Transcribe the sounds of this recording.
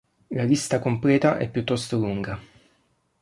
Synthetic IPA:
lalist̪akomplɛːt̪aʔɛ̰pːjut̪ːɔst̪oluŋɡa

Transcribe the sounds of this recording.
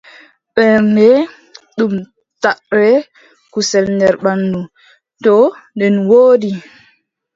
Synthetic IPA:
ɓɛɾndɛ | ɗum | taʔɾɛ | kusɛlndɛɾɓanːu | tɔndɛnwoːdi

